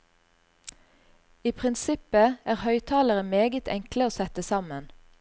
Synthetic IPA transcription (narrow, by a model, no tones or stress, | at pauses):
iːpʰʁɪnsɪpəæːʁhœʏt̪ʰɑːləʁəmeːɡət̪ʰɛŋkləoːsɛt̪əsɑmən